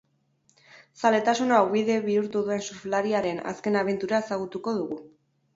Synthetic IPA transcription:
sale̞t̪asunawβiðe̞βiuɾt̪uðue̞nsuɾflaɾiaɾe̞na̰ske̞naβ̞e̞nt̪uɾae̞saɣ̞ut̪uko̞ðuɣu

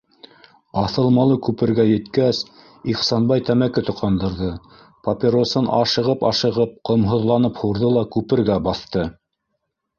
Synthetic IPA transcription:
ɑθɤ̆lˠmɑlˠɤkʉpɘ̆ɾɡæjɘ̆t̪kæs | iqsɑnbɑjt̪æmækɘt̪ŏqɑnd̪ɤ̆ɾðɤ | pɐpʲiɾosɤnʔɑ̰ʃɤ̆ʁɤpɑ̰ʃɤ̆ʁɤp̚qŏmɦŏðlˠɑnɤphuɾðɤlˠɑkʉpɘ̆ɾɡæbɑθt̪ɤ

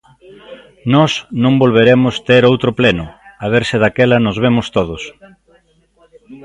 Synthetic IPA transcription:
nɔsnõŋbolβ̞eɾemʊst̪eɾowt̪ɾʊplenʊaβ̞eɾsɪðakelɐnʊzβemʊst̪oðʊs

